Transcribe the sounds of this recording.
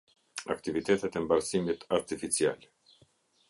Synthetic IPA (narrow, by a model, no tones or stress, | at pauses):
a̰kt̪ivit̪ɛt̪ɛt̪ɛmbaɾsimit̪aɾt̪ifit͡sial